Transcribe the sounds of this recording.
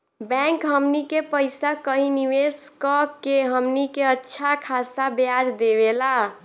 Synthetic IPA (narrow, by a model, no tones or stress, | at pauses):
bɛ̃ŋkɦəmnikepəɪsakəɦĩniweskɔkːeɦəmnikeətːʃʰakʰasabjad͡ʒd̪eβela